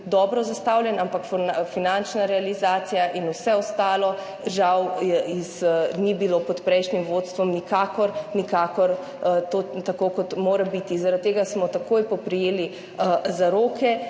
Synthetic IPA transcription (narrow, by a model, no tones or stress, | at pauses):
d̪ɔːbɾɔzast̪awljɛnampakffinant͡ʃnaɾɛalizaːt̪sijaʔinusɛɔst̪aːlɔ | ʒawiznibilopɔt̪pɾɛjʃnimʋoːt̪st̪ʋɔmnikaːkɔɾnikaːkɔɾ | t̪ot̪akoːkɔt̪moːɾabit̪izaɾat̪̚t̪ːeːɡasmɔt̪akʰoːjpɔpɾijeːli | əzaɾoːkʰɛ